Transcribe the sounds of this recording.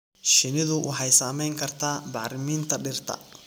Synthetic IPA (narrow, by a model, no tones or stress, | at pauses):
ʃɪnɪðʊwʔɑħɑjsaːmɛjŋkʰɐrt̪ʰaːbɑːɾɪmiːnt̪ʰɐɖɪrt̪ʰɐ̰